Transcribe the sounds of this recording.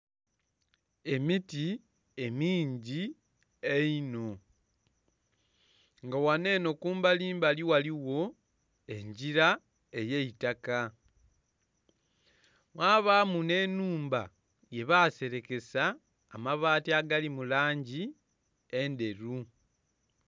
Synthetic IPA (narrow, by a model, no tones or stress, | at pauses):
e̞miti | e̞miːɲɟi | eino̞ | ŋɡawane̞ːno̞kuːmbaliːmbaliwaliwo̞ | e̞ɲɟiɾa | e̞jeitaka | mwaːβaːmune̞ːnuːmba | je̞βase̞ɾe̞ke̞saː | maβaːtiaɡalimulaːɲɟi | ende̞ɾu